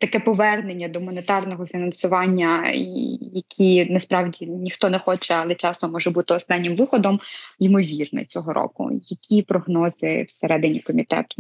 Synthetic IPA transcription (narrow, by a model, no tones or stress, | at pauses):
t̪ɐkɛpɔʋɛrnenʲːɐd̪ɔmɔnet̪ɑrnɔɦɔfʲinɐnsʊʋɑnʲːɐ | jɐkʲʰinɐspɾɑwdʲinʲixt̪ɔnɛxɔt͡ʃɛɐlˠɛt͡ʃɑst̪ɔmɔʒɛbut̪ɪɔst̪ɑnʲːɪmʋɪxɔd̪ɔmimɔʋʲirnɛ̰t͡sʲɔɦɔɾʔɔ̰kʊ̰jɐkʲʰipɾɔɦnɔzɪ̰wseɾɛd̪ɪnʲikɔmʲit̪ɛ̰t̪ʊ